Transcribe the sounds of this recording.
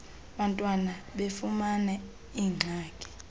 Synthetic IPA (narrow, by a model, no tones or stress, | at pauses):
ɓantʼwanaɓefumanɛ | iːŋ͡ǀʱaːkʼɛ̥